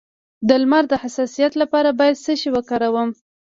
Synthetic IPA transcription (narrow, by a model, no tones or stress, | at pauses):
d̪əlmaɾd̪əhasɑsijat̪lapɑɾabɑjad̪səʃewəkɑɾawəm